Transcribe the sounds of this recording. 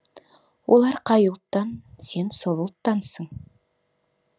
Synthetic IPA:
wʔo̞̰lˠɑɾqʰɑjulˠt̪ːɑnse̞nsovəlˠt̪ːɑnsəɴ

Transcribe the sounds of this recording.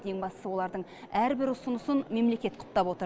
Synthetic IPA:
eŋbɑst̪əsəwo̞lˠɑɾd̪əɴæɾbɪɾʊsʊnʊsənme̞mle̞kʲe̞t̪qʰʊ̥t̪ːɑpwo̞t̪ə

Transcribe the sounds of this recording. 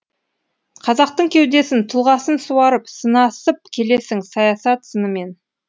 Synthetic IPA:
qʰɑzɑq̚t̪əɴkʲʰe̞wd̪e̞sɪnt̪ʰʊlˠʁɑsənsuwɑɾəpsənɑsəp̚kʲʰe̞le̞sɪŋsɑjɑsɑt̪sənəme̞n

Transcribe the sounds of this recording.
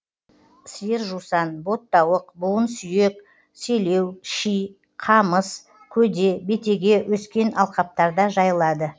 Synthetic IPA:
sijəɾʒusɑnbo̞t̪ːɑwəqbʊlˠənsʏje̞k | sɵjle̞wʃij | qʰɑməs | kʲʰɵd̪e̞be̞t̪e̞ɡʲe̞wʔɵskʲe̞nʔɑlˠqɑp̚t̪ɑɾd̪ɑʒɑjəlˠɑd̪ə

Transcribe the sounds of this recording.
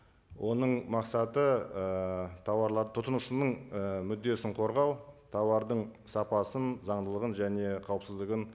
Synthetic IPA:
wʔo̞nəɴmɑqsɑt̪əət̪ʰɑwɑɾlˠɑt̪ʰʊt̪ənuʃənəɴəmʏd̪ːe̞sɪɴqʰo̞ɾʁɑwt̪ʰɑwɑɾd̪əɴsɑpɑsənzɑɴd̪əlˠəʁənʒæne̞qʰɑwəpsəzd̪əɡɪn

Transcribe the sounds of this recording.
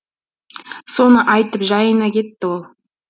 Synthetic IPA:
sonəʔɑjt̪əpʒɑjənɑkʲet̪ːɪwolˠ

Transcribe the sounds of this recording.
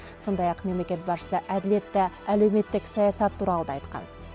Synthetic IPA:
so̞nd̪ɑjɑqme̞mle̞kʲet̪̚bɑʃʃə̥səʔæd̪ɪle̞t̪ːɪælewme̞t̪ːɪksɑjɑsɑt̪ʰːuɾɑlˠəd̪ɑɑjt̪qɑ̰n

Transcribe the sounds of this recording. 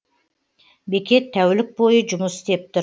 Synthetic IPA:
bekʲe̞t̪ʰːæwlɪk̚bojəd͡ʒʊmʊsɪ̥st̪e̞p̚t̪ɪɾ

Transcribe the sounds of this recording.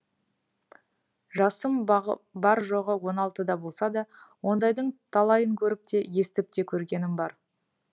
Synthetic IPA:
ʒɑsəmbɑɾʒo̞ʁəwo̞nɑlˠt̪əd̪ɑbo̞lˠsɑd̪ɑwo̞nd̪ɑjd̪əɴt̪ʰɑlˠɑjəŋkʲʰɵɾɪp̚t̪e̞je̞st̪ɪp̚t̪e̞kʲʰɵɾɡʲe̞nɪmbɑɾ

